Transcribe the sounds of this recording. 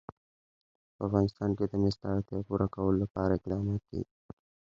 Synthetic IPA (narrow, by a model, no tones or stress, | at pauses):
pəafɣɑnɪst̪ɑnked̪əmɪst̪ɑɾat̪jɑpuɾʔakawəlolapɑɾaɪqd̪ɑmɑt̪̚kḛɡi